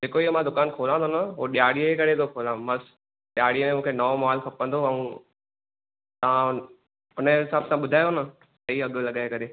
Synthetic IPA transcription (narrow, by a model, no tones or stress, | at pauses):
d͡ʑeːkoiɦomãd̪ʊkaːnkʰoːlãːnd̪onɐɦoɗjaːɽiəkɐɾet̪ʰokʰoːlãːmɐs | ɗjaːɽijəmẽmũːkʰenɐʋomaːlkʰɐpə̃nd̪oɐũ | t̪ɐʋ̤ã | ɦʊnəɦɪsaːbsãɓʊd̪ʱaːjonə | sɐiɐɠlɐɠaːekɐɾe